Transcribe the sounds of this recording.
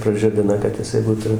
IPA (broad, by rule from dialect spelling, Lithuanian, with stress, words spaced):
prɐˈʒʲɪbʲɪnɐ kɐt jɪˈsɐɪ ˈbuːtʊ